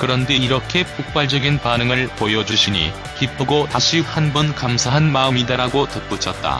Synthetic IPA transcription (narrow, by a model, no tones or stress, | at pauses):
kɯɾʌnde̞iɾʌkʰe̞p͈uk̚p͈aɭd͡ʑʌɡinpanɯŋɯɭpojʌd͡ʑuɕʰiɲḭ | kip͈ʰɯɡotaɕʰihanbɯnkamsʰaɦanmaɯmidaɾaɡotʌp͈ut͡ɕʰʌt̚t͈a̰